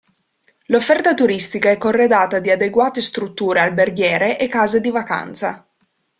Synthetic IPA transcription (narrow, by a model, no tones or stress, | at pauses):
lofːɛrt̪at̪uɾist̪ikaɛkːorːed̪aːt̪ad̪iad̪eɡwaːt̪est̪ɾut̪ːuːɾealberɡjɛːɾeʔekːaːzed̪ivaka̰nt̪sa̰